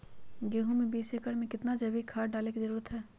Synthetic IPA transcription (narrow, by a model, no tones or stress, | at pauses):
ɡeːɦõmẽbiːseːkəɽmẽkɪt̪nad͡ʒɐʋikʰaːɾɖaːlekizəɾuːɾət̪ɦɛː